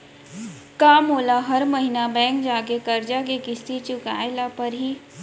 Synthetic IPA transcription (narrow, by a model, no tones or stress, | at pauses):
kaːmoːlaɦɐɾmɐɦinabɛ̃ːŋk̚d͡ʒaːkekɐɾd͡ʒakekɪst̪it͡ʃʊkaːɪlapɐɾɦiː